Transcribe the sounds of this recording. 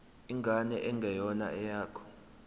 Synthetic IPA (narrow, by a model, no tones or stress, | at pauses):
iŋɡʱanɛʔɛŋɡʱɛjɔna̰ɛjaːkʰɔ̥